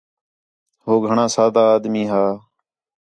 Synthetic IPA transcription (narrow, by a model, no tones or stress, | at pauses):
ɦoːɡʱəɳãːsaːd̪aːaːd̪miːɦaː